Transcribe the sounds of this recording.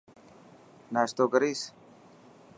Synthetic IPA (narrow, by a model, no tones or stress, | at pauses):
naːst̪oːɡəɾiːs